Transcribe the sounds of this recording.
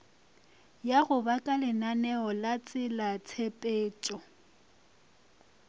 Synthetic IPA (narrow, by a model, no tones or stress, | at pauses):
jaɣʊbakʼalɪnanɛɔlat͡sʼɪlat͡sʰepʼeːt͡ʃʼɔ